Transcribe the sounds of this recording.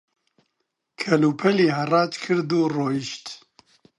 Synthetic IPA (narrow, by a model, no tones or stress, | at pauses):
kʰɐluːpʰɛliːhɐrɑːt̪kʰɨɾd̪uːroːjiʃt̪